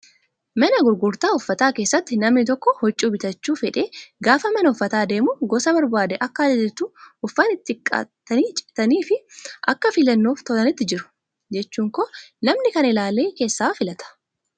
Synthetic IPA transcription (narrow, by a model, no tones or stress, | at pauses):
mɐnɐɡʊɾɡʊɾt̪aːʊfːɐt̪aːkeːsːɐt̪ːɪnɐmnɪt̪ɔkːɔhɔt͡ʃʼːuːbɪt̪ɐt͡ʃːuːfɛᶑe̞ːɡaːfɐmɛnɐʊfːɐt̪aːd̪e̞ːmʊɡɔsɐbɐɾbaːd̪ɛʔɐkːɐd̪ɪdɪt̪uːʊfːɐnɪt̪ːɪkʼːɐ̰t̪ːɐniːt͡ʃʼɪ̥t̪ɐniːfɪʔɐkːɐfɪlɐnːo̞ːft̪ɔlɐnɪt̪ːɪd͡ʒɪɾʊ̥ | d͡ʒɛt͡ʃːuːŋkɔnɐmnɪkɐnɪlaːleːke̞ːsːaːfɪlɐt̪ɐ̥